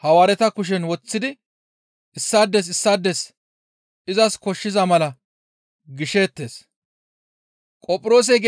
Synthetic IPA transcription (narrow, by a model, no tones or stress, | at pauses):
hɐwaːɾɛt̪ɐkʊʃ̬ɛnwɔt͡sːɪd̪ɪ | ɪsːaːd̪ːɛs̬ɪsːaːd̪ːɛs | ɪzɐskɔʃːɪzɐmɐlɐ | ɡɪʃe̞ːt̪ːe̞ːs | kʼɔpʼʊɾo̞ːs̬ɛɡe